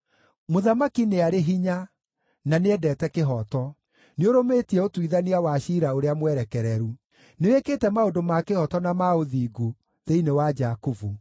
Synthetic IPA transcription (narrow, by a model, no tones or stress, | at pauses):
moðamakineaɾeɦiɲa | naneɛdɛːtɛkeɦɔtɔ | neoɾometiɛotwiðaniawaɕiɾaoɾeamwɛɾɛkɛɾɛɾu | neoekeːtɛmaodomakehɔtɔnamaoðiːɡu | ðeinewad͡ʒakuvu